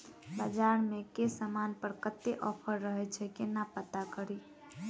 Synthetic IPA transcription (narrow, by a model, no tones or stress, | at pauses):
bəd͡ʒaɾmekesəmanpəɾkət̪ːeʔɔpʰəɾːəɦɛt͡ʃʰɛkenapət̪akəɾi